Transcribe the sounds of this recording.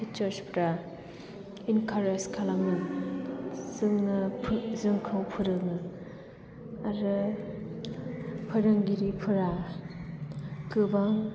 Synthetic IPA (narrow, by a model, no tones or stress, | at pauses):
pit͡ʃɐɾspɾa | inkʰaɾeskʰalaŋɯn | zɯŋnɯzɯŋkʰɯwpʰɯɾɯnɯ | aɾɯ | pʰɯɾɯŋɡiɾipʰɯɾa | kɯbaŋ